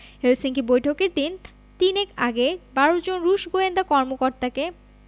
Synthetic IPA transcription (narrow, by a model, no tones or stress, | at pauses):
helsiŋkʰibojʈʰokeɾd̪in | t̪inekaɡebaɾod͡ʑonɾuʃɡoend̪akɔɾmokoɾt̪ake